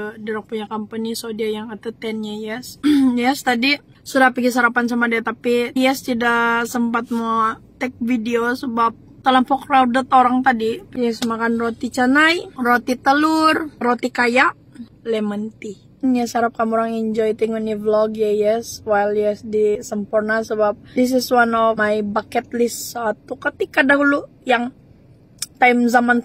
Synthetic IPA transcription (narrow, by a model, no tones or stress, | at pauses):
dəɾɔk̚puɲakampənisodiajaŋat̪ut̪ɛnjajɛsjɛst̪adi | sudahpiɡisaɾapans̬amadiat̪apijɛst̪idasəmpat̪̚mot̪ɛk̚fideosəbap̚ | t̪əlɔmpɔkrawdət̪oɾaŋt̪adipjɛsəmakanrot̪it͡ʃanajrot̪it̪əlʊrrot̪ikajaʔ | lɛmənt̪i | njɛsaɾap̚kamuɾaŋɛɲd͡ʒɔjt̪iŋɔnivlɔɡjajɛswajljɛsdisəmpurnasəbap̚dis̬ɪswanɔmajbakɛt̪̚lɪsat̪ukət̪ikadaɦulu | jaŋ | t̪ajmzaman